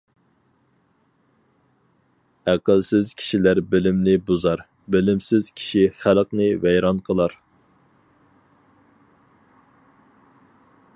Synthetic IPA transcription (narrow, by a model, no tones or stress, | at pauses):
æqəlˠsɪz̥kʲʰi̥ʃilæɾbɪlɪmnɪbozɑɾ | bɪlɪmsɪz̥kʲʰi̥ʃiχælqnɨvɛjɾɑnqʰəlˠɑɾ